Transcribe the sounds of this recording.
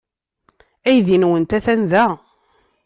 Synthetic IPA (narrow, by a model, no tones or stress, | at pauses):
æjðinwənt̪æθænðæ